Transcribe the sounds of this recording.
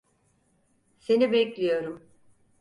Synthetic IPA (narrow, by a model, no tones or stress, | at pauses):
se̞nibɛclʲijo̞ɾum